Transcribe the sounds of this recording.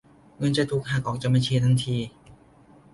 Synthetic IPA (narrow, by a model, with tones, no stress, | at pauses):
ŋɤ˧nt͡ɕa˧jt̪ʰuː˨˩k̚ɦaː˨˩k̚ʔɔː˨˩k̚t͡ɕa˨˩ma˧t͡ɕʰiː˧t̪ʰa˧˥˩ŋt̪ʰiː˧